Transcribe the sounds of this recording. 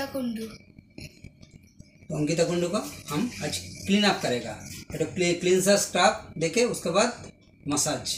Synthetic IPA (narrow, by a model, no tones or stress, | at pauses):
ɐkuɳɖu | oŋɡid̪ɐkuɳɖukɐɐmɐt͡ʃkliːnaːp̚kɐɾeːɡa̰ɐʈukliklinsɐskɾaːp̚ɖekeuskɐbaːd̪ | mɐsaːd͡ʒ